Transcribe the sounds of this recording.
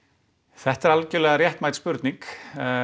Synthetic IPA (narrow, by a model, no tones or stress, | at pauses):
θɛht̪ɛɾalcɪlɛːɣaɾrjɛht̪maːjt̪spʏɾt̪niŋk